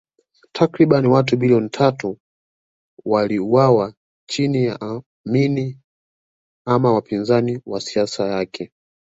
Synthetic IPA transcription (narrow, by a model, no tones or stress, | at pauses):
tʰakɾiɓaniwat̬uɓiliɔnitʰatu | waliuwawa | t͡ʃinija̰ʔa | mini | amawapinzaniwasiasajakʰɛ